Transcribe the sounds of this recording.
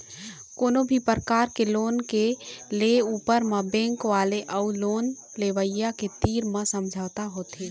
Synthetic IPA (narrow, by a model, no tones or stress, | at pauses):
koːnobʱipəɾəkaːɾkeloːnkeleuːpəɾmə̃bẽːŋkʋaːleʔəuloːn | leʋəjjaket̪iːɾmə̃səmd͡ʒʱaːt̪aɦoːt̪e